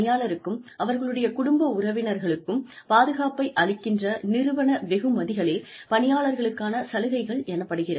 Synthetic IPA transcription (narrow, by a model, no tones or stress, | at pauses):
ɪjaːɭɐɾɯkːɯmɐʋɐɾɣɐɭɯɽɐjɐkʊɽʊmbɐʊrɐʋɪnɐɾɣɐɭɯkːɯmpaːðɯɣaːpɐɪʔɐɭɪkːɪndrɐnɪɾɯʋɐɳɐʋɛɣɯmɐðɪɣɐɭeː | pɐnɪjaːɭɐɾɣɐɭɯkːaːnɐsɐlɯɣɐɪɣɐɭɛnɐpːɐɽɯɣɪrɐ